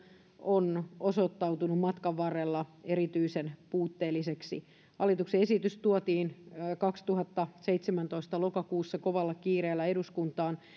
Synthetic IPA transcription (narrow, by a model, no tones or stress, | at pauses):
onosot̪ːɑwt̪unummɑt̪kɑʋːɑrːelːɑeɾit̪yisenpuːt̪ːeːlːiseksḭ | hɑlit̪ukseesit̪yst̪uɔt̪iːnːkɑkst̪uɦɑt̪ːɑseit̪semænt̪o̞ist̪ɑlokɑkuːsːɑkoʋɑlːɑkiːɾeːlːæeɾuskunt̪ɑːn